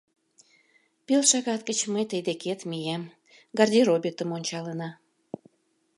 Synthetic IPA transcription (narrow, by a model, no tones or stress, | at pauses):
pilʃɑɣɑt̪ɡət͡ɕməjt̪əjd̪eket̪mijem | ɡɑrd̪ʲiɾobʲit̪əmonʲt͡ɕɑlənɑ